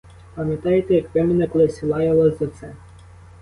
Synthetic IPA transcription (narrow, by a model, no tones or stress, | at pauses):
pɐmʲjɐt̪ɑjet̪ɛjɐkʋɛmɪnɐklˠesʲilˠɑjɛlˠɐzʲzɐt̪sɛ